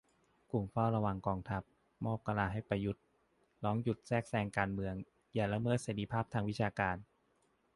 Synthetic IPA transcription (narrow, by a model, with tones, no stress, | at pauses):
ku˨˩mfɔː˥˩ɾa˧wa˧ŋkɔː˧ŋt̪ʰa˦˥p̚ | mɔː˥˩p̚ka˧laː˧ɦa˥˩jpa˧ju˦˥t̪̚ | lɔː˦˥ŋju˨˩t̪̚sɛː˥˩k̚sɛː˧ŋkaː˧nmɯ˧əŋ | jaː˨˩la˧˥mɤː˥˩t̪̚seː˩˦ɾi˧˥pʰaː˥˩p̚t̪ʰaː˧ŋwi˦˥t͡ɕʰaː˧kaː˧n